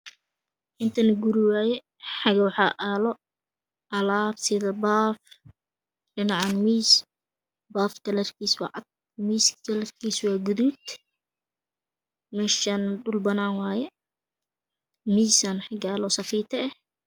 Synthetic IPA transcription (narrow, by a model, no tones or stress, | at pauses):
ʔɪnt̪ʰɐnɐɡuɾɪwaːjɛ | ħɑɡɐwħɑʔaːlɔ | ʔɐlaːfsɪðɐbaːf | ɖɪnɑʕɑnmiːs | baːfkɐlɐrkʰiːswɑ̰ʕɑd̪̚ | miːskʰɐlɛrkʰiːswɑːɡʊðuːd̪ | mɛːʃaːnɖʊlbɐnaːŋwaːjɛ | miːsanħɑɡaːlɔsɐfiːt̪ʰɐɛh